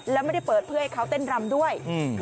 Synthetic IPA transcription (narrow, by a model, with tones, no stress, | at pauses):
lɛː˦˥wma˥˩d̪a˥˩jpɤː˨˩t̪̚pʰɯ˥˩˨ha˥jkʰa˦˥wt̪e˥˩nɾa˧mdu˥˩əj